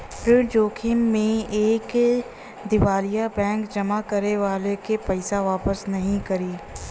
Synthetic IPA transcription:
pɾɪɽd͡ʒoːkʰɪmːẽeːk | d̪ɪʋaːlijabɛ̃ːŋkd͡ʒɐmakɐɾeʋaːlekepɛɪsaʋaːpəsnɐɦĩkɐɾiː

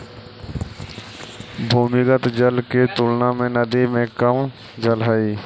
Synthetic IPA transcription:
bʱuːmɪkət̪d͡ʒəlket̪ʊlnamẽnəd̪imẽkəm | d͡ʒəlɦaiː

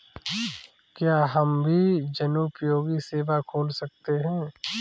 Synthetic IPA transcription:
kjaːɦɐmbʱid͡ʒɐnuːpjoːɡiseːbakʰoːlsɐk̚t̪eɦɛ̃ː

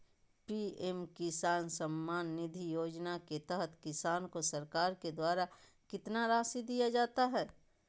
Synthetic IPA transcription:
piemkɪsaːnsɐmːaːnːɪd̪ʱijoːd͡ʒnaket̪ɛɦət̪ʰkɪsaːnkosɐɾkaːɾked̪waːɾa | kɪt̪naɾaːsid̪ijad͡ʒaːt̪aɦɛː

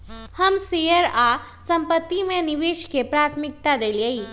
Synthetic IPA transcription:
həmsijəɾa | sə̃mpət̪ːimẽnɪʋeːʃkepɾaːt̪ʰmɪk̚t̪ad̪eːliei

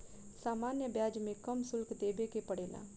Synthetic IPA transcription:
saːmaːnjəbjaːd͡ʒmẽkɐmsʊlkd̪eːbekepəɽeːla̰ː

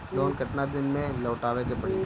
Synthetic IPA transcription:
loːnkɐʈ̪nad̪ɪnmẽlɐːʈaːʋekepɐɽi

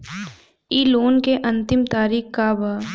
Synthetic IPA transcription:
iːloːnkeʔɐ̃nt̪ɪmt̪aːɾiːxkːaba

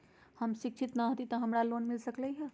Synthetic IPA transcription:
həmsik̚t͡ʃʰit̪naɦot̪it̪əɦəmɾalonmilsəklɛɦɛ

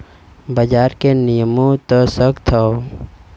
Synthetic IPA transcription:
bəd͡ʒaːɾkenijəmõt̪osəɡt̪ʰao

